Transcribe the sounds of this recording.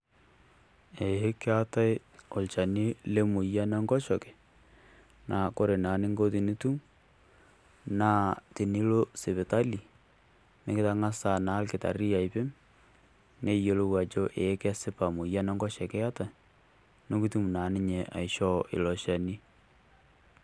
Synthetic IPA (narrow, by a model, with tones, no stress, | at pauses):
e˨je˦ke˦a˦ta˦j | o˨lt͡ʃa˨ni˦le˦mu˨ja˦nɛ˦ŋɡɔ˦ʃɔ˨ke̥˨ | na˨ko˦ɾe˨naː˨nɪ˦ŋɡo˦t̬i˨ni˦tu˦m | na˦ti˨ni˦lo˦se˨βe˨ta˦li˨ | mɪ˦kɪ˦ta˦ŋa˦sa˨na˨˦lkɪ˨ta̰˨ɾi˦a˨ɪ˨pɪ˦m | ne˦jo˨lo˦wa˨t͡ʃo˦ʔe˨e˦kɛ˦sɪ˦pa˨mu˨ja˦nɛ˦ŋɡɔ˦ʃɛ˨ke˦a˦ta˨ | no˦ki˦tu˦m˨na˨nɪ˦ɲe˨ʔa̰˨ɪ˨ʃɔ˦ɪ̰˨lɔ˨ʃa˨ni˦